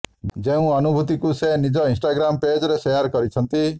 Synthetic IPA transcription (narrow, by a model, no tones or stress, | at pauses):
d͡ʒeũɔnubʱut̪ikusenid͡ʒɔinsʈaɡɾamped͡ʒɔɾeseaɾkɔɾit͡ʃʰɔnt̪i